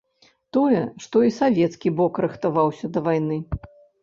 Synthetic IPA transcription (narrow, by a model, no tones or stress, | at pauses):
t̪ɔjɛʂt̪ɔisavʲɛt̪skʲibɔkɾɨxt̪avawsʲɐd̪ɐvajnɨ